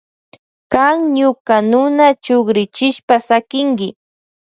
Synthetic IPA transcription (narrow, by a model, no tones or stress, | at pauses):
kaŋɲʊkanʊnat͡ʃʊɡɾɪt͡ʃɪʃpasakɪŋɡɪ